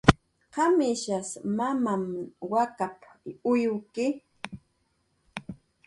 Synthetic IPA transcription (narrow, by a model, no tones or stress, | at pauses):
qɑmɪʃasmamamwakapʊjʊkɪ